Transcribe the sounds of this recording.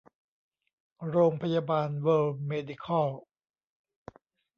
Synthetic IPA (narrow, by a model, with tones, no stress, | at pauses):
ɾoː˧ŋpʰa˧jaː˧baː˧nwəː˧lmeː˧di˧˩kʰɔ˥˩l